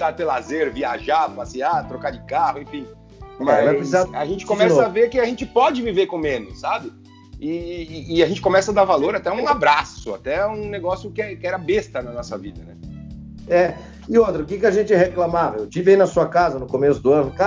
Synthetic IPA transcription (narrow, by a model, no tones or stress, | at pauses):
t̪at̪elazeɾviaʒapasiat̪ɾokad͡ʒɪkahʊẽfĩ | maɛvɛpɾesizaa̰ʒẽnt͡ʃɪ̥kõmɛssɐaveɾkɪaʒẽnt͡ʃɪpɔd͡ʒɪviveɾkõmẽnʊsːabɪ | ɪːaʒẽnt͡ʃɪ̥kõmɛsɐad̪aɾvaloɾat̪ɛũabɾasʊa̰t̪ɛũneɡɔsjʊkɪɛkɪɛɾɐbest̪ɐnɐnɔsɐvid̪ɐnɛ | ɛ | ɪot̪ɾɐʊkɪkɪaʒẽnt͡ʃɪɦeklamavɐewt͡ʃivɪainɐsuɐkazɐnʊkomesʊd̪ʊɐ̃nʊka